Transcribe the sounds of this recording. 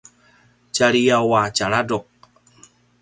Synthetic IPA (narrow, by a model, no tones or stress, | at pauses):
t͡ʃaɾiawat͡ʃaɾadɔk̚